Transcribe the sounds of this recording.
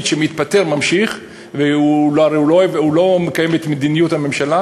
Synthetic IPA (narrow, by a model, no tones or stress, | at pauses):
d̪ʃemit̪pateʁmamʃiχ | veuloaʁejuloeveulo̞mekajemet̪med̪inijuthame̞mʃala